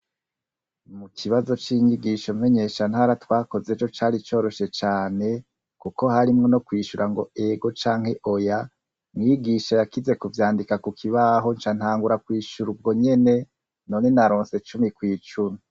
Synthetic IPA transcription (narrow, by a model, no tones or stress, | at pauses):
mukʰiβazo̞t͡ʃiɲiɡiʃome̞ɲe̞ʃan̥haɾatwaːko̞zeːt͡ʃo̞t͡ʃaːɾit͡ʃo̞ːɾo̞ʃe̞t͡ʃaːne̞ | kuko̞haɾimŋo̞no̞kwiːʃuɾʔaŋɡo̞e̞ɡo̞t͡ʃaːŋ̥he̞ʔo̞ja | mŋiːɡiʃajakize̞kuvjaːndikakukʰiβaɦo̞nt͡ʃan̥haːŋɡuɾakwiːʃuɾubɡo̞ɲe̞ne̞ | no̞ne̞naɾoːnse̞t͡ʃumikwiːt͡ʃumi